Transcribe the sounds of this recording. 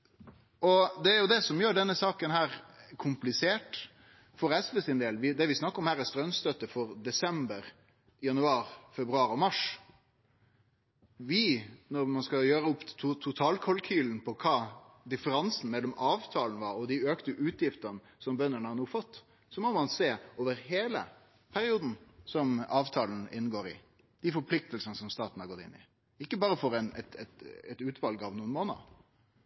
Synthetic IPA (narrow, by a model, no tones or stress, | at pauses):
ʔɔd̪ɛæɾjʊd̪ɛsɔmjøːɖɛnːəsɑːkənɦæːɾkʰʊmplɪseːʈ | fɔɾɛsʋɛsɪnd̪eːlʋɪd̪ɛɾʋɪsnɑkːəɔmhæːɾɛst̪ɾœnst̪œt̪ːəfɔɾd̪ɛsɛmbəɾ | jɑnʉɑːɾfɛbɾʉɑːɾɔmɑʂ | ʋɪnɔɾmɑnskɑjøːɾəʊpːt̪ʰt̪ʰʊt̪ʰɑːlkʰɔlkʰyːln̩pʰɔkʰɑː | d̪ɪfəɾɑnsn̩mɛlːɔmʔɑːʋt̪ʰɑːlnəʋɑɾɔd̪iøːkt̪əʔʉːt̪ʰjɪft̪ənə | sɔmbœnːəɳəhɑnuːfɔt̪ː | sɔmɔmɑnseːoːʋəɾɦeːlə̰ | pʰæɾɪuːd̪n̩sɔmɑːʋt̪ʰɑːln̩ɪnːɡoːɾɪ̰ | d̪̥ɪfɔɾpʰlɪk̚t̪əlsənəsɔmst̪ɑːt̪n̩hɑɾɡɔt̪ːɪ̰nːɪ̰ | ɪkːəbɑːɾəfɔɾɛnɛt̪ɛt̪ɛt̪ʉːt̪ʋɑlɡɑːʋnuːənmoːnə̰